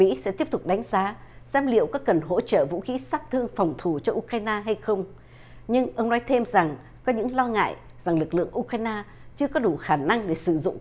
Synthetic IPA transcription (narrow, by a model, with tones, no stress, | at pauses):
mḭ˧˥sɛ̰˧˥t̪i˦˥əp̚t̪ʊ˨˩k͡p̚ɗa˨˦jŋ̟zaː˨˦sɛ˧mlḭ˧˨əwkɔ˨˦kə˨˩nɦo̰˧˥t͡ɕə̰ː˧˨vṵ˧˥xi˨˦saː˦˥p̚t̪ʰɨ˧əŋfa˨˩wŋ͡mt̪ʰu˧˩t͡ɕɔ˧ʔu˧kaː˧jnaː˧ɦa˧jxə˧wŋ͡m | ɲɨ˧ŋʔə˧wŋ͡mnɔ˨˦jt̪ʰe˧mza˨˩ŋ | kɔ˨˦ɲɨ̰˧˥ŋlɔ˧ŋa̰ː˧˨j | z̥a˨˩ŋlɨ˨˩k̚lɨ̰˧˨əŋʔu˧kaː˧jnaː˧ | t͡ɕɨ˧əkɔ˨˦ɗu˧˨˩xaː˧˩na˧ŋɗe˧˩sɨ˧˩zʊ̰˧˨ŋ͡m